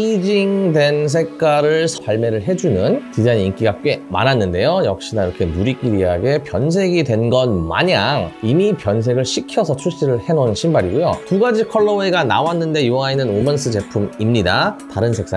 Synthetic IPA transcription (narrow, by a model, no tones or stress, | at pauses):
id͡ʑiŋdwe̞ns̬ʰe̞kkk͈aɾɯɭsʰaɭme̞ɾɯɭɦe̞d͡ʑunɯnkid͡ʑaɲiŋk͈iɡak͈we̞ma̰nanːɯnde̞jojʌk̚ɕ͈inaiɾʌkʰe̞muɾik͈iɾiɦaɡe̞pjʌns̬ʰe̞ɡidwe̞nɡʌnma̰ɲaŋimipjʌns̬ʰe̞ɡɯɭɕʰikʰjʌsʰʌt͡ɕʰuɭɕ͈iɾɯɭhe̞ŋonɯɕʰimbaɾiɡujotuɡad͡ʑikʰʌɭːʌeɡana̰wanːɯnde̞joʌainɯnomʌns͈ʰɯt͡ɕe̞pʰumimɲidataɾɯnsʰe̞k̚s͈a